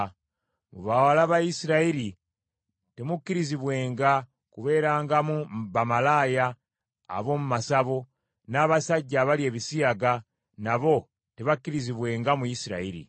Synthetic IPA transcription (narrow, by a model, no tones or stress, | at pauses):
muβawalaːβajisiɾaiɾi | temukːiɾiziβwe̞ːŋɡa | kuβe̞ːɾaːŋɡamumbamalaːja̰ː | βo̞ːmumasaβo | naːβasaɟːaːβalie̞ːβisiaɡa | naβo̞ | teβakːiɾiziβwe̞ːŋɡamujisiɾa̰iɾḭ